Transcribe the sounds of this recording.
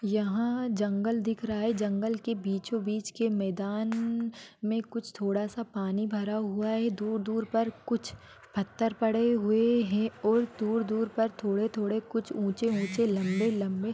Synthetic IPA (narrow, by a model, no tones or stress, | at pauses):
jɐɦãd͡ʒɐ̃ŋɡəld̪ɪkʰɾɐɦaɦɛd͡ʒɐ̃ŋɡəlkebiːt͡ʃõbiːt͡ʃkemɛːd̪aːn | mẽkʊt͡ʃʰt̪ʰoːɽasapaːnibʱɐɾaɦʊaɦɛd̪uːɾd̪uːɾpɐɾkʊt͡ʃʰ | pʰɐt̪ːəɾpɐɽeɦʊeɦɛ̃ɔːɾd̪uːɾd̪uːɾpɐɾt̪ʰoːɽet̪ʰoːɽekʊt͡ʃʰũːt͡ʃeũːt͡ʃelɐ̃mbelɐ̃mbe